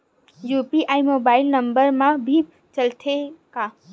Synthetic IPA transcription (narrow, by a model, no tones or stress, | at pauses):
jupiʔaːimoːbaɪlnəmbəɾmãbʱi | t͡ʃəlt̪ʰeka